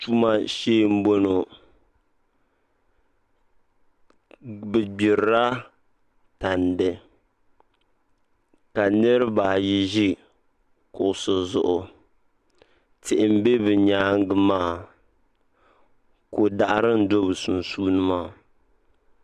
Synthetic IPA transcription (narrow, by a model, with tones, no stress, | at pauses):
tu˦ma˦ʃeː˦m̩˦bo˦no˨ | bɨ˨ɡ͡bɪ˨ɾɾa˦ | ta˨ndɨ˨ | ka˨nɨ˦ɾɨ˦baː˨ji˦ʒi˦ | kʊ˨ʔʊ˨sʊ˨zʊ˨ʔʊ˨ | tɪ˨ʔɪ˨m̩˦be˦bɨ˨ɲaː˦ŋ˦ɡɨ˦maː˦ | ko˨da˨ʔɾɨ˦n̩˦do˦bɨ˨su˨nsuː˦nɨ˦maː˦˨